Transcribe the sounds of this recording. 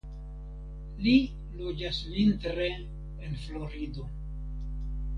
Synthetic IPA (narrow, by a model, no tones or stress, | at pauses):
li | lud͡ʒasvinteɾe̞ | enflo̞ɾido̞